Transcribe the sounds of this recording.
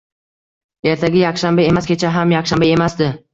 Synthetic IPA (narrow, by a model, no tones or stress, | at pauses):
e̞ɾt̪ʰaɡʲajɑχʃambae̞maskʲʰe̞t͡ʃʰaɦamjɑχʃambae̞masd̪ɪ